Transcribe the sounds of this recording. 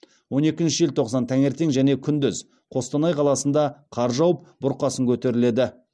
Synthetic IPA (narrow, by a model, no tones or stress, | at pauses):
wo̞ne̞kʲɪnʃɪʒɪlt̪ʰo̞qsɑnt̪ʰæŋe̞ɾt̪e̞ŋʒæne̞kʲʰʏnd̪ʏz | qʰo̞st̪ɑnɑjqʰɑlˠɑsənd̪ɑqʰɑɾʒɑwəp̚bʊɾqɑsəŋkʲʰɵt̪e̞ɾɪle̞d̪ɪ